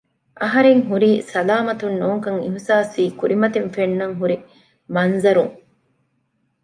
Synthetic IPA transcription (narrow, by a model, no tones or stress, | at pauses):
ʔɐɦɐɾeŋɦuɾiːsɐlaːmɐt̪unːoːŋkɐŋiɦsaːsiːkuɾimɐt̪eɱfenːɐŋɦuɾi | mɐnzɐɾuŋ